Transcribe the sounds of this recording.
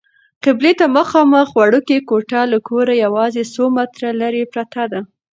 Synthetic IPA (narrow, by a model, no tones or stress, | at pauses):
qɪblet̪amaxɑmaxwaɽukekoʈɑlakʰoɾajawɑzesomat̪ɾalaɾepɾat̪ad̪a